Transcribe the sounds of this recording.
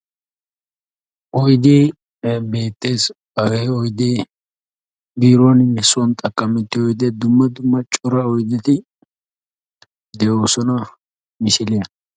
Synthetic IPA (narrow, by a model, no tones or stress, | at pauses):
ʔɔjd̪eː | be̞ːt̪ʼːe̞ːs | ɐɡɛjɔjd̪eː | biːɾɔnjɛsːʊwɔnt̪ʼɐkʼːɐmɛt̪ːɪɔjd̪eːd̪ʊmːɐd̪ʊmːɐt͡ʃʼʊɾɐɔjd̪ɪt̪ɪ | d̪ɛʔoːsɔnɐ | mɪsɪlɪjɐ